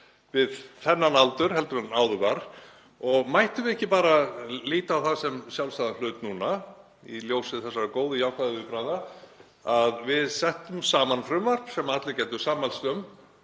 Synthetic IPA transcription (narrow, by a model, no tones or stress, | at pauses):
vɪðθɛnːanalt̪ʏɾ̥ɦɛlt̪ʏɾanaːwðʏkaɾ̥ | ɔɣmajht̪ʏvɪɛhcːɪpaːɾaliːt̪aːwθaðsɛmsjawlst̪aːðanl̥ʏːt̪nuːna | ḭljowsɪðθɛsːaɾakoːwðʏjawhkvaðɪʏpɾajða | aðvɪðsɛht̪ʏmsaːmanfɾʏmvar̥psɛmːaat̪lɪcɛjt̪ʏsaːmalst̪œm